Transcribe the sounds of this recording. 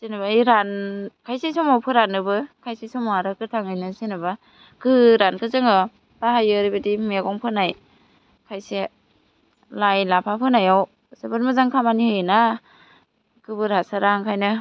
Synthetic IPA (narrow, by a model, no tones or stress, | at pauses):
sinɯbaɯjɾankʰajsesɔmawpʰɯɾanɯbɯkʰajsesɔmɔaɾɯkɯtʰaŋɯjnɯsinɯba | kɯɾankʰɯzɯŋɯ | paɦajɯɾibadimeɡɔŋpʰɯnaj | kʰajse | lajlapʰapʰɯnajaw | sɯbɯɾmɯzaŋkʰamanihɯjna | kɯbɯɾasaɾaŋkʰajnɯ